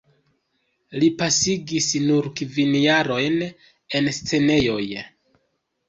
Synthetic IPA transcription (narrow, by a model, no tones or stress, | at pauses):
lipasiɡisnuɾkivinjaɾo̞jn | e̞nst͡se̞ne̞jo̞j